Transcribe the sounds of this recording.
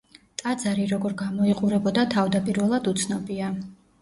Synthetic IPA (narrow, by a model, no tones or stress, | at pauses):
t̪ʼad̪zaɾiɾɔɡɔɾɡamɔiqʼuɾɛbɔd̪at̪ʰavd̪apʼiɾvɛlˠad̪ut̪sʰnɔbia